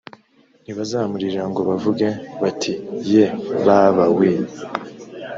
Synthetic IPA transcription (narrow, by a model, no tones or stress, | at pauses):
n̥iβazaːmuɾiɾaŋɡo̞βavuɡeβatʰijeβaβawi